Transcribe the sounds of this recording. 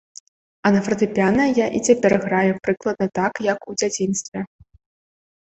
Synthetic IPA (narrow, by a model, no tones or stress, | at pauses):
ɐnɐfɾɐt̪ɨpʲanɐjaʔit͡sʲapʲɛrɣɾajupɾɨklˠɐd̪̚nɐt̪akjɐkud͡zʲat͡sʲinst̪vʲɛ